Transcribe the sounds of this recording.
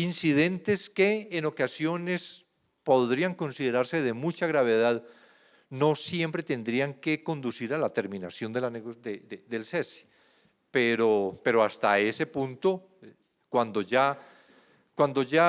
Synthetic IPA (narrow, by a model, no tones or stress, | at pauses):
insiðe̞nt̪e̞ske̞ːno̞kasjo̞ne̞s | po̞ðɾiaŋko̞nsiðe̞ɾaɾse̞ð̞e̞mut͡ʃaɣɾaβ̞e̞ðað | no̞sjempɾe̞t̪e̞nd̪ɾiaŋke̞ko̞nd̪usiɾalat̪e̞ɾmĩnasjo̞nd̪elaned̪eðeðe̞lsesi̥ | peɾope̞ɾo̞ast̪a̰e̞se̞pũnt̪o̞ | kwand̪o̞ʝa | kwand̪o̞ʝa